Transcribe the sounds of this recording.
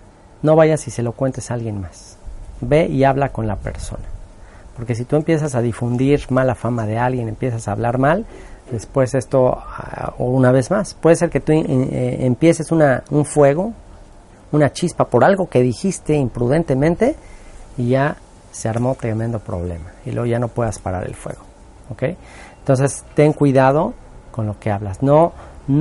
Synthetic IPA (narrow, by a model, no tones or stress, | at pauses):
no̞βaʝasise̞lo̞kwe̞nt̪e̞salɣje̞nmas | be̞ʔiaβlako̞nlape̞̰ɾso̞̰na | po̞ɾke̞s̬it̪ue̞mpje̞s̬as̬aðifund̪iɾmalafamaðe̞alɣje̞ne̞mpje̞sasaːβlaɾmald̪e̞spwe̞se̞st̪o̞̰ | o̰unaβ̞e̞zmaspweðes̬eɾke̞t̪ueempje̞se̞sunauɱfwe̞ɣ̞o̞ | unat͡ʃispapo̞ɾalɣo̞ke̞ðixist̪e̞impɾuð̞e̞nt̪e̞mẽnt̪e̞iʝa | seaɾmo̞t̪ɾe̞mend̪o̞pɾo̞̰β̞le̞̰mailweɣoʝanopwe̞ðaspaɾa̰ɾḛlfwḛɣo̞ | oke̞jent̪o̞ns̬e̞st̪eŋkwiðað̞o | ko̞nlo̞ke̞aβlasnon